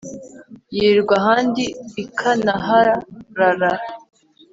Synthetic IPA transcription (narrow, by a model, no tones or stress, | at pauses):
jiːɾɡwaɦaːndiikʰanaɦaɾaɾaɾaɾ